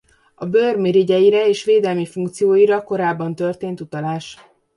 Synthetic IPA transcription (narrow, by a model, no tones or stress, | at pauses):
ɒbørmiɾiɟɛjiɾɛeːʃʋeːd̪ɛlmifuŋkt̪sijoːjiɾɒko̞ɾaːbːɒnt̪ørt̪eːnt̪ut̪ɒlaːʃ